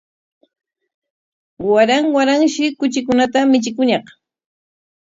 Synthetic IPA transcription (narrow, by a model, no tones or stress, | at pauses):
waɾaŋwaɾaŋʃɪkʊt͡ʃɪkʊnat̪amɪt͡ʃɪkʊɲɑχ